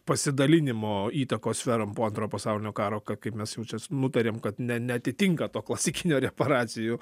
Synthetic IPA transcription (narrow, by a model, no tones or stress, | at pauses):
pɐsʲɪd̪ɐlʲɪnʲɪmoːiːt̪ɐkoːssʲfʲɛɾɐmpoːɐnt̪ɾoːpɐsɑʊlʲɪnʲoːkɑːɾoːkɐt̪̚kɐɪpmʲɛsjɛʊt͡ʃʲɛnʊt̪ɐɾʲeːmkɐt̪nʲɛnʲɛɐt̪ʲɪt̪ʲɪŋkɐt̪oːklˠɐsʲɪkʲɪnʲoːɾʲɛpɐɾɑːt͡s̪ʲɪjuː